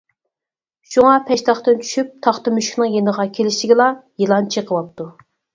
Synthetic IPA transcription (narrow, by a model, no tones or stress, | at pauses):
ʃuŋɑpʰɛʃt̪ɑχt̪ɨnt͡ʃʰy̥ʃyp̚t̪ʰɑχt̪ɨmyʃkʲʰnɪŋjenəʁɑkʲʰelɪʃlɪɡʲilˠɑjilˠɑnt͡ʃʰiqʰəwɑp̚t̪u